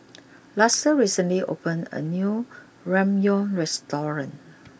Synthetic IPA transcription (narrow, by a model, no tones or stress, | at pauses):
lasəɹisə̃nliʔo̰pə̃nə̰nju | ɹɛ̃mjõɹɛstɔɹə̃n